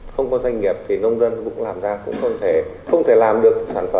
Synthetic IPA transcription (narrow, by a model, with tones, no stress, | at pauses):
xə˧wŋ͡mkɔ˨˦za˧jŋ̟ŋi˨˩əp̚t̪ʰi˨˩nə˧wŋ͡mzə˧nkʊ̰˧˥ŋ͡mlaː˨˩mzaː˧kʊ̰˧˥ŋ͡mxə˧wŋ͡mt̪ʰe˧˩ | xə˧wŋ͡mt̪ʰe˧˩laː˨˩mɗɨ˨˩ək̚saː˧˩nfə˧˩